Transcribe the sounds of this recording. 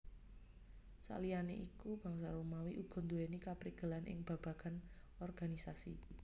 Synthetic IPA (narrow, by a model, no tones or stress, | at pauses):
sa̰lijanḛʔikub̥a̤ŋsaɾumawiʔuɡ̥ɔ̤nd̪uenikapɾiɡ̥əlanʔɪ̰ŋb̥a̤b̥ä̤ɡ̥an | ɔrɡ̥anisasḭ